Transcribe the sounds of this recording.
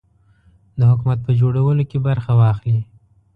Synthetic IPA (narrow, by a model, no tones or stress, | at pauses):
d̪əhʊkumat̪̚pəd͡ʒoɽawəlokebaɾxawɑxli